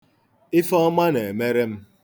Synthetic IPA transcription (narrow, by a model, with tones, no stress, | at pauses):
ɪ˦fɔ˦ma˦ne˨e˨me˦ɾe˦m̩˦